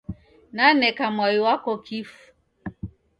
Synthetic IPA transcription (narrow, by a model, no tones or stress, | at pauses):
nanɛkamwajiwakɔkʰifu̥